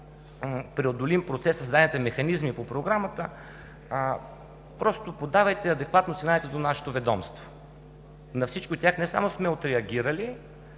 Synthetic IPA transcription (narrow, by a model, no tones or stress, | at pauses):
pɾɛod̪olimpɾot̪sɛsəsd̪ad̪nit̪ɛmɛxɐnizmipopɾoɡɾamət̪ə | pɾɔst̪opod̪avɐjt̪ɛɐd̪ɛkvat̪nosinat̪ɛd̪onaʃɛ̥t̪ovɛd̪ɔmst̪vo | nɐfsit͡ʃkʲiot̪ʲjaxnɛsa̰mosmɛot̪ɾɛɐɡʲiɾəli